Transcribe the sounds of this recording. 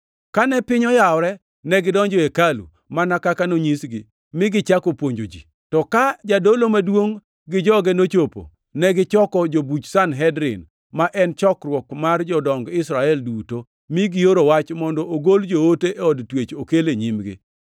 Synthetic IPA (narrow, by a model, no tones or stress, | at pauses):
kanɛpɪɲɔjaɔɾɛ | nɛɡɪdɔɲd͡ʒɔekalṵ | manakakanoɲisɡɪ | mɪɡɪt͡ʃakopwoɲd͡ʒod͡ʒḭ | tɔkad͡ʒadolomadwoŋ | ɡɪd͡ʒɔɡɛnot͡ʃopo̰ | nɛɡɪt͡ʃɔkɔd͡ʒobut͡ʃsanɦɛdɾɪ̰n | maʔɛnt͡ʃɔkrwɔkmard͡ʒɔdɔŋɡɪsɾaɛlduto | miɡɪjoɾowat͡ʃmɔndɔoɡold͡ʒooteʔeɔdtwet͡ʃokeleɲimɡɪ̰